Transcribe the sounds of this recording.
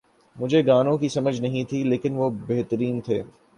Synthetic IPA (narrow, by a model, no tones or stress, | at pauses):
mʊd͡ʒʱeɡaːnõkisɐməd͡ʒʱnɐɦĩt̪ʰileːkɪnʋobeɦt̪əɾiːnt̪ʰeː